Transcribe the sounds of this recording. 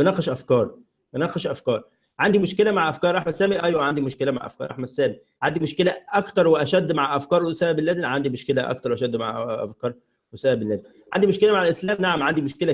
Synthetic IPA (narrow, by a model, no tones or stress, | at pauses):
benæxeʃʔæfkɑːɾˤ | benæqeʃʔæfkɑːɾˤ | ʕand̪imoʃkelæmaʕʔæfkɑːɾˤʔɑħmæsːæːmiʔæjwæʕand̪imoʃkelæma̰ʕʔæ̰fkɑ̰ːɾʔa̰ħmæsːæːmi | ʕand̪imoʃkelæʔækt̪ɑɾˤweʔæʃæd̪ːmaʕʔæfkɑːɾˤsæːʔbelːæd̪nʕand̪imoʃkelæʔɑ̰kt̪ɑɾˤwʔæʃæd̪ːmaʕʔæ̰fkɑːɾˤ | wesæːʔæbelːæd̪in | ʕand̪imoʃkelæmaʕalʔeslæːmnaʕamʕand̪imoʃkelæ